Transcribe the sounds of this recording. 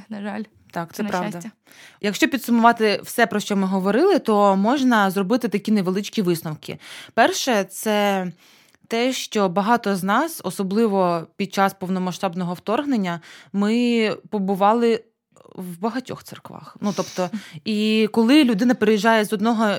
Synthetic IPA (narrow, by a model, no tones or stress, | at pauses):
nɐalʲ | t̪ɑk̪sɛpɾɑʋd̪ɐ | jɐkʃt͡ʃɔpʲid̪sʊmʊʋɑt̪ɪwsɛpɾɔʃt͡ʃɔmɪɦɔʋɔɾɪlˠɪt̪ɔmɔʒnɐzrɔbɪt̪ɪt̪ɐkʲineʋelˠɪt͡ʃkʲiʋɪsnɔwkɪ̰pɛrʃɛt̪sɛ | t̪ɛʃt͡ʃɔbɐɦɑt̪ɔznɑsɔsɔblˠɪʋɔpʲid̪̚t͡ʃɑspɔwnɔmɐʃt̪ɑbnɔɦɔwt̪ɔrɦnenʲːɐmɪpɔbʊʋɑlˠɪ | wbɐɦɐtʲɔ̰xt̪sɪ̰rkʋɑ̰xnut̪ɔpt̪ɔikɔlˠɪlʲʊd̪ɪnɐpeɾejiʒɑjɛzɔd̪nɔɦɔ